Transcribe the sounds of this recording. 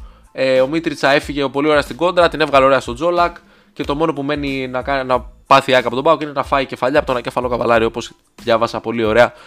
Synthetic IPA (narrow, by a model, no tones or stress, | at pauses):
eo̞mit̪ɾit͡sɐe̞fiʝe̞po̞lioɾe̞ɐst̪iɡo̞nd̪ɾɐt̪inevɣɐle̞o̞ɾe̞ɐst̪o̞d͡zo̞lɐk | ce̞t̪o̞mo̞no̞pume̞ninɐkɐnɐpɐθiɐkɐpot̪o̞bɐoceine̞nɐfɐice̞fɐʎɐpot̪onɐce̞fɐlo̞kɐvɐ̰lɐɾioopo̞s | ðʝɐvɐsɐpo̞lio̞ɾe̞ɐ